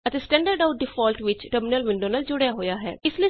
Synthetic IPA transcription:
ət̪eːsʈɛ̃ːɳɖəɾɖaʊʈ̚ɖɪfʰɔːlʈʋɪt͡ʃʈəɾmɪnəlʋɪ̃ɳɖõːnaːld͡ʒʊɽjaɦoːjaːɦɛ̰ːɪsli

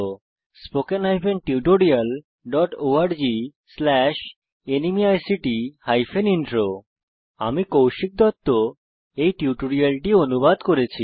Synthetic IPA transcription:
o | spokenɦajfʰenʈiuʈoɽial | ɖɔʈoaɾd͡ʑi | slɛʃ | enimiajsiʈihajfʰeniɳʈɾo | a̰mikowʃik̚d̪ɔt̪ːo | ejʈiuʈoɽialʈionubad̪koɾet͡ɕʰi

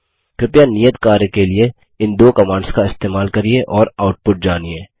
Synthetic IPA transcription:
kɪpjanijət̪kaːɾjəkelie | ɪ̃nd̪oːkɐmãːɳɖskaɪst̪eːmaːlkɐɾieʔɔːɾaːʊʈ̚pʊʈ̚d͡ʒaːniẽː

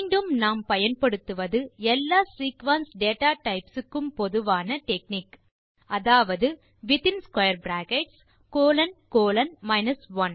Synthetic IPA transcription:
mːɳɖɯmnaːmpɐjɐnpɐɽɯt̪ːɯʋɐðɯɛlːaːsiːkʋɐnsɖeːʈaːʈɐɪpsɯkːɯmpɔðɯʋaːnɐʈɛkniːk | ʔɐðaːʋɐðɯ | ʋɪt̪ɪnskwɐjɐɾbɾaːkɛʈs | koːlɐnkoːlɐnmɐɪnɐsʋɐn

